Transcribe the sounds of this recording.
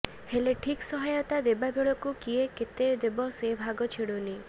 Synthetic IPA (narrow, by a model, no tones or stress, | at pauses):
heleʈʰiksɔɦajɔt̪ad̪ebabʱiɭɔkukieket̪ed̪ebɔsebʱaɡɔt͡ʃʰiɽuni